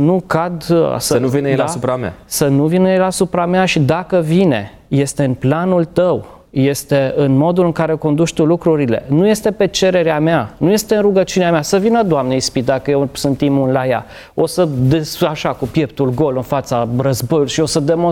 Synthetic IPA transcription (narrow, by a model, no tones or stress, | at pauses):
nukad̪̰səənuvined̪asupɾamea̰sənuvinəelasupɾameaʃid̪akəvine̞̰ | je̞st̪e̞ɨnplanult̪əw | je̞st̪e̞ɨnmo̞d̪ulɨŋkaɾe̞oko̞nd̪uʃʲt̪ulukɾuɾile̞̰nuje̞st̪e̞pe̞t͡ʃe̞ɾe̞ɾeamanuje̞st̪eɨnɾuɡət͡ʃuneamasəvinəd̪oamneispit̪̚d̪akəjesɨnt̪imunlaja | o̞səd̪esaʃakupje̞pt̪ulɡo̞lɨnfat̪sarəzbo̞juloʃio̞səd̪e̞mo